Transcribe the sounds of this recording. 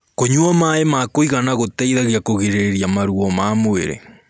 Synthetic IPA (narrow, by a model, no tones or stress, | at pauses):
koɲwamaemakoiɣanaɣotɛiðaɣjakoɣeɾeɾjamaɾuɔmamoḛɾḛ